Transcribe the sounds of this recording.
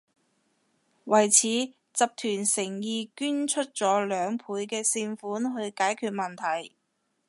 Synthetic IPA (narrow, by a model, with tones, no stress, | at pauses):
wɐ˨˩jt͡sʰiː˨˥ | t͡sɐ˨p̚t̪ʰyː˨˩nsɪ˨˩ŋjiː˨˧kyː˥nt͡ʃʰɵ˥t̚t͡sɔː˨˥lœː˨˧ŋpʰuː˨˧jkɛː˧sɪ˧ŋfuː˨˥nɦɵ˧ɥkaː˨˥jkʰyː˧t̚mɐ˨˩nt̪ʰɐ˨˩j